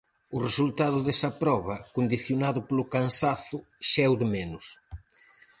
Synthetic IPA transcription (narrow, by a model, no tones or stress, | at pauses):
ʊresult̪aðʊðɛsɐpɾɔβɐkond̪iθjonaðʊpolʊkansaθʊ | ʃɛwðemɛnʊs